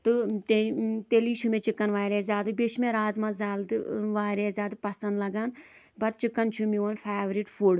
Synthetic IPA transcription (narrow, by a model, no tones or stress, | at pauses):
t̪ɨt̪et̪eliːʃʰumet͡ʃikːɐnʋaːɾeːzʲaːd̪ɨbeʃmeɾaːzmɐzaːlt̪ɨʋaːɾeːzʲaːd̪ɨpɐsɐnd̪lɐɡaːn | bɐt̪̚t͡ʃikːɐnt͡ʃʰumiʋɐnfʰaːʋɾiʈfʰuɽ